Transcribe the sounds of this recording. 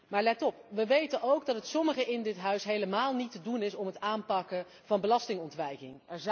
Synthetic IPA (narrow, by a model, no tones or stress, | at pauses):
maːɹlɛtɔpʋəʋejtənowɡdɑtətsɔməχəʔɪndɪtɦœɥsɦejləmaːlˠnitədunɪsɔmɦətaːnpɑkə | v̥ɑnbəlɑstɪŋɔntʋɛjkɪŋɛɹz